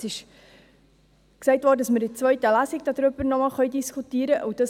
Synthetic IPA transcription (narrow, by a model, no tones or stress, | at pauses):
sɪʃ | ksɛɪtvʋɔːdədɑsməɾdɪt͡sʋœɥtəlæsikd̥ɑd̥̪ɾʏbəɾnɔmɑːlχœʏdiskʰutiːɾəʔuwd̥ɑs